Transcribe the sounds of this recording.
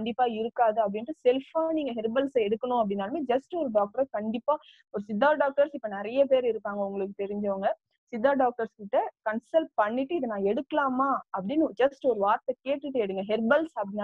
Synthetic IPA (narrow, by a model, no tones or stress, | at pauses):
ɐɳɖɪpːaːɪɾɯkːaːðɯɐpːɐɽɪnrːɯsɛlfaːniːŋɡɐɦɛɾbɐlsɐɛɽɯkːɐnʊ̃ɐp̬ːɐɽɪnːaːlɐmeːd͡ʒɐsʈɯɔɾɯɖaːk̚ʈɐɾɐkɐɳɖɪpːaː | ɔɾɯsɪd̪ːaːɖaːk̚ʈɐɾsɪpːɐːnɪɾɐjɐpeːɾɪɾɯkpːaːŋɡɐʊŋɡɐɭɯk̬ːɯt̪ɛɾɪɲd͡ʒɐʋɐŋɡɐ | sɪd̪ːaːɖaːk̚ʈɐɾskɪʈːɯkɐnsɐlʈ̚pɐɳːɪʈːɯɪðɐnãːɛɽɯkːɐlaːmaːɐpːɐɽɪnːd͡ʒɐsʈɯɔɾɯʋaːɾt̪ɛkeːʈːɯʈːɯɛɽɯŋɡɐɦɛɾbɐlsɐpːɐɽɪnːa